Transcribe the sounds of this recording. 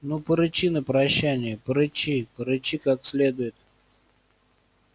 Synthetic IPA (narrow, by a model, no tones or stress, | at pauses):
nupəɾɨt͡ɕinəpɾɐɕːænʲɪjəpəɾɨt͡ɕipəɾɨt͡ɕikaksʲlʲed̪ʊjɪt̪̚